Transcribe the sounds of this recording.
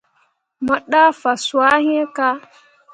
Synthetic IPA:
ma˨ɗa˦fa˨swa˦ɦĩ˦e˦ka˦

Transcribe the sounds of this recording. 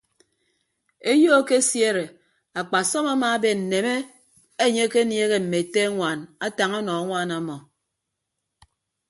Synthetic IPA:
e˦jo˦ke˦sje˦ɾe˨ | a˨k͡pa˨sɔ˦ma˦ma˦be˨n̩˨ne˨me˦ | e˦ɲe˦ke˦nje˦ɣe˦m̩˨me˨te˦ŋʷa˨na˦ta˨ŋa˦nɔ˨˦ŋʷa˦˨na˨mɔ˨

